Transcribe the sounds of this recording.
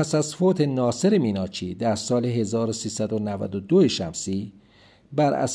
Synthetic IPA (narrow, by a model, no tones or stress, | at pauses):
pʰæsæzfoːt̪ʰe̞nɒːse̞ɾemiːnɒːt͡ʃʰiːd̪æɾsɒːleɦe̞zɒːɾosiːsæd̪onævæ̰d̪od̪oeʃæmsiː | bæɾæ̰s